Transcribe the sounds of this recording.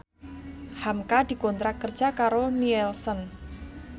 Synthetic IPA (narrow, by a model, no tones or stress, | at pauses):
hamkad̪̥i̤kɔnt̪ɾakərd͡ʒʒ̥a̤kaɾoniɛlsən